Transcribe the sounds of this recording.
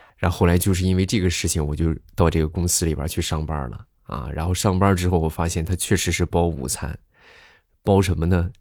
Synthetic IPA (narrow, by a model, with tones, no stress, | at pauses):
ɻa˧˥xxo˥˩ʊla˧˥ɪt͡ɕjo˥˧ʊʂɻ̩˥˧i˥nwe˥˧ɪʈ͡ʂɤ˥˩ɡə˩ʂɻ̩˥˩t͡ɕʰi˨˩ŋwɔ˨˩t͡ɕjo˥˧ʊt̪ɑ˥˧ʊʈ͡ʂɤ˥˩ɡə˩kʊ˥ŋsɹ̩˥lḭ˨˩bʲə̰˞˧˥t͡ɕʰy˥˧ʂɑ˥˧ŋpɐ̰˥lə̰˩ | ʔɐ̰˧˩ɻa̰˧˥nxo˥˧ʊʂɑ˥˧ŋpɐ˥ʈ͡ʂɻ̩˥xo˥˩ʊwɔ˨˩fa˥ɕjɛ˥˩nt̪ʰa˥t͡ɕʰɥɛ˥˩ʂɻ̩˧˥ʂɻ̩˥˩pɑ˥ʊṵ˨˩t͡sʰa̰˥˩n | pɑ˥ʊʂə˧˥nmə˧nə˧